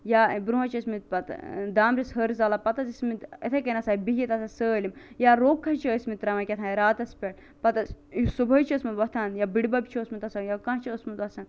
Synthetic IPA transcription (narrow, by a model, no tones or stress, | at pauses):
jabɾuɦɐt͡ʃʰəsmit̪̚pɐt̪d̪aːmɾʲisɦəɾzaːlapɐt̪ɐzismit̪et̪ʰɐkɐnɐsaːbiɦʲijit̪ɐsɐsəːlʲimjaɾoːkʰːɐt͡ʃʰəsmit̪ɾɐmɐkʲɐt̪ʰãɾaːt̪ɐspʲeʈ | pɐt̪ɐssubʱɐt͡ʃʰiəsmɐʋɐt̪ʰaːnjabiɽbɐbʲt͡ʃʰiosmit̪ɐsajakɐ̃ɦt͡ʃʰiəsmit̪ɐsɐn